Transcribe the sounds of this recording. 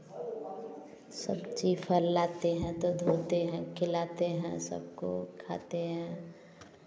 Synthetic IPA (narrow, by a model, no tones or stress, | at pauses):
sə̰bt͡ʃiːfʰəlːaːt̪eɦɛ̃t̪od̪ʱoːt̪eɦɛ̃kʰɪlaːt̪eɦɛ̃sə̰b̚ko̰kʰa̰ːt̪eɦɛ̃